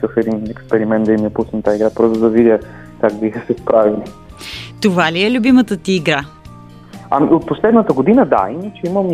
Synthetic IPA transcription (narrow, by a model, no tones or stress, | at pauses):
kəfɛd̪inɛkspɛɾimɛnd̪d̪ɐimijɐpusəmt̪aiɡɾapɾɔsʊd̪ɐvidʲjə | kaɡbixəsɛspɾavilit̪ovaliɛlʲʊbimət̪ət̪iːɡɾa | amḭot̪̚poslɛd̪nət̪əɡod̪inəd̪a̰inət͡ʃɛiməm